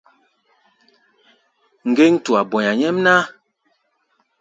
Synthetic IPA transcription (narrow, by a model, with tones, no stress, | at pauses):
ŋ̩˨ɡe˦ŋ˦tu˨a˨bɔ˨ɲa˨ɲɛ˦mna˦